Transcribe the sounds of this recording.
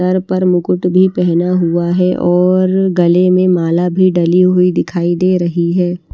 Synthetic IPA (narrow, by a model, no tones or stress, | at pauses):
əɾpɐɾmʊkʊʈbʱipɛɦnaɦuaɦɛʔɔːɾɡɐlemẽmaːlabʱiɖɐliɦoid̪ɪkʰaːid̪eːɾɐɦiɦɛː